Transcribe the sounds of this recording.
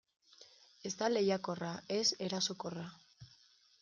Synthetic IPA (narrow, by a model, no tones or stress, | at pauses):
e̞zt̪ale̞jako̞rae̞se̞ɾaso̞kora